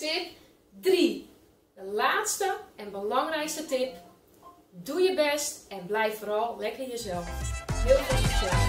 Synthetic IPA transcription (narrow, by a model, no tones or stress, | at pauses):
tɪp̚ | dri | dəlaːtstəɛnbəlɔŋrɛjkstətɪp̚ | dujəbɛstɛnblɛjffoːɾɔlˠlɛkəinjəzɛlˠfhɪəlˠfosəsɛ